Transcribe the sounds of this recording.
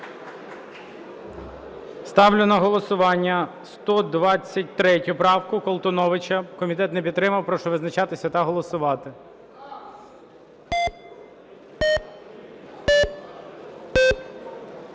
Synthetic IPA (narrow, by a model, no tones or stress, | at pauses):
st̪ɑwlʲʊnɐɦɔlˠɔsʊʋɑnʲːɐ | st̪ɔd̪ʋɑt͡sʲːɐt̚ʲt̪ɾɛtʲʊpɾɑwkʊkɔlˠt̪ɔnɔʋɪt͡ʃɐkɔmʲit̪ɛt̪nɛpʲit̪t̪ːɾɪmɐwpɾɔʃɔʋɪznɐt͡ʃɑt̪ɪsʲɐt̪ɐɦɔlˠɔsʊʋɑt̪ɪ